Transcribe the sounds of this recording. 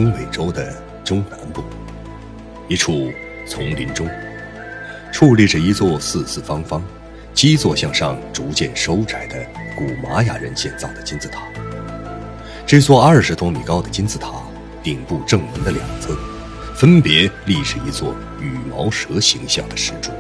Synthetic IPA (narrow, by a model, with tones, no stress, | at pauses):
ʊ˥ŋwe˨˩ɪʈ͡ʂo˥ʊd̪ə˨ | ʈ͡ʂʊ˥ŋna˧˥npu˥˩ | i˧˥ʈ͡ʂʰu˨˥˩ | t͡sʰʊ˧˥ŋli˧˥nʈ͡ʂʊ˥ŋ | ʈ͡ʂʰu˥˧li˥˩ʈ͡ʂə˩i˧˥t͡swɔ˥˧˩sɹ̩˥˧t͡sʰɹ̩˥˩fɑ˥ŋfɑ˥ŋ | t͡ɕi˥t͡swɔ˥˧ɕjɑ˥˧ŋʂɑ˥˩ŋʈ͡ʂu˧˥t͡ɕjɛ˥˩nʂo˥ʊt͡sa˨˩ɪd̪ə˦ku˨˩ma˧˥ja̰˨˩ɻə˧˥nɕjɛ˥˧nt͡sɑ˥˩ʊd̪ə˩t͡ɕi˥nt͡sɹ̩˥˩t̪ʰḁ˨˩˦ | ʈ͡ʂɤ˥˧t͡swɔ˥˧ɐ˞˥˩ʂɻ̩˧˥t̪ʰʊ˥ŋmi˨˩kɑ˥ʊd̪ə˨t͡ɕi˥nt͡sɹ̩˥˧˩t̪ʰa˨˧˥ | t̪i˨˩ŋpu˥˧ʈ͡ʂɤ˥˩ŋmə˧˥ŋd̪ə˧ljɑ˨˩ŋt͡sʰə˥n | fə˥npjɛ˧˥li˥˩ʂɻ̩˨˩i˧˥t͡swɔ˥˩ | y˨˩mɑ˧˥ʊʂɤ˧˥ɕi˧˥ŋɕjɑ̰˥˩ŋd̪ə˩ʂɻ̩˥˧ʈ͡ʂṵ˥˩